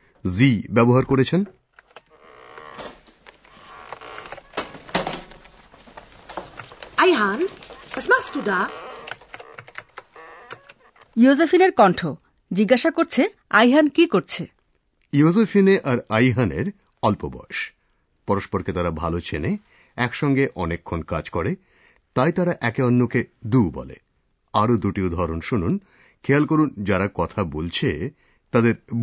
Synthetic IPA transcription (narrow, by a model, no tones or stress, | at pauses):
zibɛboɦaɾkoɾet͡ɕʰen | ajɦanəsmast̪uda | jozefʰineɾkɔɳʈʰo | d͡ʑiɡaʃakoɾt͡ɕʰe | ajɦankikoɾt͡ɕʰe | jozefineʔaɾajɦaneɾ | ɔlpobɔ̰eʃ | pɔɾoʃpoɾket̪aɾabʱalot͡ɕʰene | ɛkʃɔŋɡeʔɔnekʰːonkad͡ʑkɔɾe | t̪ajt̪aɾaʔɛkeɔnːoked̪ubɔ̰lḛ | aɾod̪uʈiod̪ʱɔɾonʃunun | kʰealkoɾund͡ʑaɾakɔt̪ʰabolt͡ɕʰe | t̪ad̪eɾ